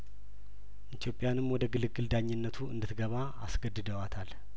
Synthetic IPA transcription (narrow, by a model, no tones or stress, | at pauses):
ʔit̪ʰijo̞pʼːɪjanɨmwɔd̪əɡɨlɨɡɨld̪aɲːɪnːət̪ʰuɨ̰nd̪ɨt̪ɡəβa | a̰sɡəd̪ːɨd̪əwat̪ʰal